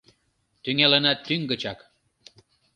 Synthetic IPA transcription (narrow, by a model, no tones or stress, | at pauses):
t̪yŋælenɑt̪ːyŋɡə̆t͡ɕɑk